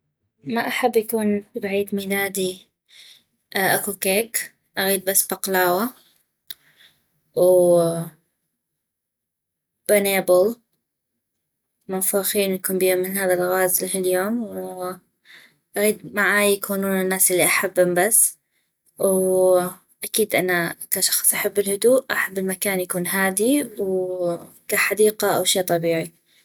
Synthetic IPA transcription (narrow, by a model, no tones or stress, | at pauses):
maʔaħabːjakuːnbʕiːd̪miːlaːd̪i | ʔakukeːk | ʔaɣiːd̪̚basːbɑqlaːwa | w | b̥aneːbʊl | mʊnfaːxiːnwjakuːmbiːamːɪhaːðalɣaːzlɦiljoːmw | ʔaɣiːd̪̚maʕaːjjakʰuːnuːnɪnːaːsʔɪlːiʔaħabːʊmbasː | w | ʔakiːd̪ʔanakaʃɑ̥xsˤʔaħabːɪlhʊd̪uːʔʔaħabːɪlmakaːnjakuːnɦaːd̪iw | kaħad̪iːqaʔawʃeːt̪ˤɑbiːʕi